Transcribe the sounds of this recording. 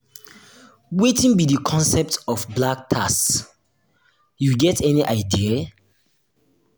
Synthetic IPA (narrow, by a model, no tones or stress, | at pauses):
wetĩnbidikʰɔ̃nsɛp̚tɔfblak̚tʰas | juɡɛtʰɛniʔaɪdiə